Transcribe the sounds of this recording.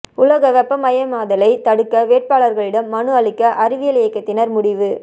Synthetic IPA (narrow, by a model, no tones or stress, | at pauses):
ʊlɐɣɐʋɛpːɐmɐjɐmaːðɐlɐɪt̪ɐɽɯkːɐʋeːʈ̚paːɭɐɾɣɐɭɪɽɐmːɐɳɯɐɭɪkːɐʔɐɾɪʋɪjɐlɪjɐɪkːɐt̪ːɪnɐɾmʊɽɪʋɯ